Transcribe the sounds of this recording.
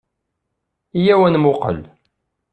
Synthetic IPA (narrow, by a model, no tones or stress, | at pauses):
ijæwænmʊqə̰l